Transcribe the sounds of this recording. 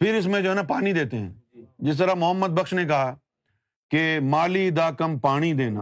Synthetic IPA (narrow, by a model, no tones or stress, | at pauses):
pʰɪɾɪs̬mẽd͡ʒoɦɛːnapaːnid̪eːt̪eɦɛ̰̃ːd͡ʒɪs̬t̪əɾamʊɦəmːəd̪̚bəkʃnek̬ɐɦaː | kemaːliːd̪aːkəmpaːɽ̃id̪eːna̰ː